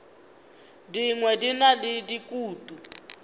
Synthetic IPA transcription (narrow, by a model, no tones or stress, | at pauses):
diŋwɛdinalɪdikʼuːtʼu